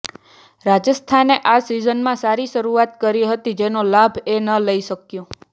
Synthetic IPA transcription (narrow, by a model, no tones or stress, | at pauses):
ɾad͡ʒəst̪ʰaneʔasizənmãsaɾiʃəɾuat̪kəɾiɦət̪id͡ʒenolabʱenələiʃəkjõ